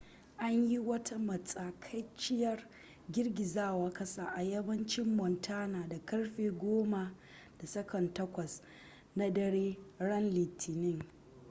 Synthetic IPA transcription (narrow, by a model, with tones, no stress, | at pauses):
ʔa˦ɲji˦wɐ˦ta˦mɐ˨t͡sʼaː˨kʰɐ˦jt͡ʃɪ˦jɐ˦r | ɡʲɪ˦rɡʲɪ˨zaː˦˨waː˨kɐ˦saː˦ʔa˨jɐ˦bɐ˦nt͡ʃɪ˦mːɔ˨ntʰaː˦naː˨da˨kɐ˦rɸeː˨ɡʷoː˦ma˨ | d̥a˨sɐ˦kɐ˨ntɐ˦kʷɐ˨s | na˦dɐ˦ɽeː˦ɽɐ˦nliː˨tʰɪ˨nɪ˦ŋ